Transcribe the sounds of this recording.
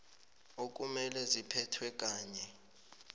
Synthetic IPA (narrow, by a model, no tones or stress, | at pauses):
ok̬umɛlɛzipʰɛtʰwɛk̬ʼaːɲɛ